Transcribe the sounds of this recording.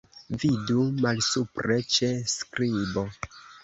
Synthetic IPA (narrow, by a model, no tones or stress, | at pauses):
vidumalsupɾe̞t͡ʃe̞skɾibo̞